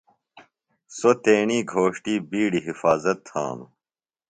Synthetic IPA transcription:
sot̪eːɳiːɡʱoːʂʈiːbiːɽiɦifaːzɐt̪hã̰ːnṵ

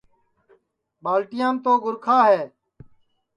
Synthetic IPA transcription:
baːlʈɪjãːnt̪oːɡʊɾkʰaːɦɛː

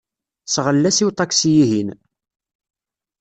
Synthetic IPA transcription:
sʁəlːæsiwt̪ˤɑksijiɦin

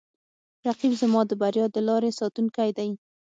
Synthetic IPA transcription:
ɾaqibzəmɑd̪əbaɾjɑd̪əlɑɾesɑt̪unkajd̪aj

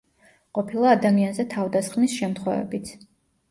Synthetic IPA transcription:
qʼɔpʰilˠaːd̪amianzɛt̪ʰavd̪asχmisʃɛmt̪ʰχwɛvɛ̰bit̪sʰ

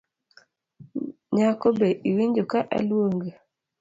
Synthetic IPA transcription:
ɲakobeʔiwiɲd͡ʒokaʔa̰lwoŋɡe

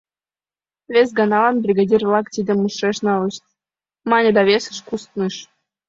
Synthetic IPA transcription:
vʲesʲɡɑnɑlɑnbrʲiɡadʲirlˠɑkt̪ʲid̪ʲɘ̆mːuʃreʂnɑlɤ̆ʃt̪ʲ | mɑnʲɘ̆d̪ɑvʲesʲɘ̥̆ʃkust̪nɨʃ

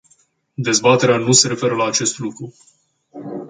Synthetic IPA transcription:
d̪ezbat̪e̞ɾeanuse̞ɾe̞fe̞ɾəlaːt͡ʃe̞st̪lukɾu

